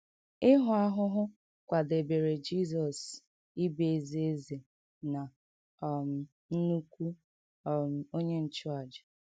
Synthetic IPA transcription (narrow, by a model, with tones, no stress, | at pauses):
ɪ˦ɦʊ˨a˦ɦʊ˦ɦʊ˦ | kʷa˨de˨be˨ɾe˨d͡ʒi˦˨zɔ˨s | i˦be˨e˨zi˦e˦ze˨ | na˨ | m̩˨ | n̩˦nu˦kʷu˦˨ | m̩˨o˦ɲe˦n̩˨t͡ʃʊ˦a˨d͡ʒɪ˨